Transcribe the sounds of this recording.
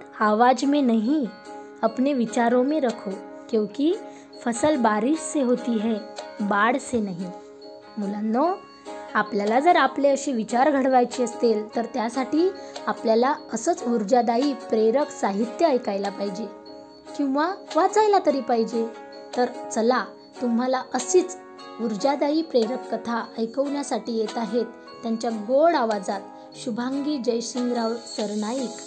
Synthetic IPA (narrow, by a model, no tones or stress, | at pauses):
aʋad͡ʑmenaɦi | apneʋit͡ɕaɾõmeɾəkʰo | kĩw̃ki | fəsəlbaɾiɕseɦot̪iɦebaɽsenaɦi | m̤ulanːɔ | apljalad͡zəɾapleəɕiːʋit͡ɕaɾɡʱəɽʋajt͡ɕiːəst̪elt̪əɾt̪jasaʈiːapljalaəsət͡suɾd͡ʑad̪aiːpɾeɾəksaɦit̪jəəjkajlapaɦid͡ʑe | kĩw̃ʋaʋat͡sajlat̪əɾiːpaɦid͡ʑe | t̪əɾt͡səla | t̪um̤alaəsiːt͡s | uɾd͡ʑad̪aiːpɾeɾəkːət̪ʰaəjkəʋɳjasaʈiːjet̪aɦet̪ːjaɲt͡ɕjaɡoɽaʋad͡zat̪ | ɕubʱaŋɡiːd͡ʑəjɕiŋɡɾawsəɾnajik